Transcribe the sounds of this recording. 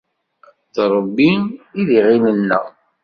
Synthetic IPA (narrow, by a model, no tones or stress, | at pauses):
tɾˤəbːiiðiʁilənːə̰ʁ